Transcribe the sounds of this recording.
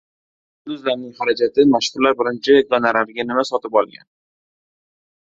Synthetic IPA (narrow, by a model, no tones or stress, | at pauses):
d̪ʊzlaɾnɪŋχaɾad͡ʒat̪ʰɪmaʃhʊɾlaɾbɪɾɪnt͡ʃʰaɡanaɾaɾɡʲanɪmasɒt̪ɪpɒlˠɡʲa̰n